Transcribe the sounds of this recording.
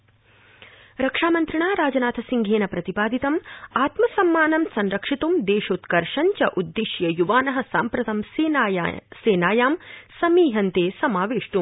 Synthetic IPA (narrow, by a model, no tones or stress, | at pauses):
ɾɐkʂaːmɐnt̪ɾiɳaːɾaːd͡ʒɐnaːt̪ʰɐsiŋɡʱeːnɐpɾɐt̪ipaːd̪it̪ɐmaːt̪mɐsɐmːaːnɐmsɐnɾɐkʂit̪umd̪eːʃoːt̪kɐɾʂɐɲt͡ʃɐʔud̪ːiʃjɐjuʋaːnɐɦɐ̆saːmpɾɐt̪ɐms | seːnaːjaːmsɐmiːɦɐnt̪eːsɐmaːʋeːʂʈum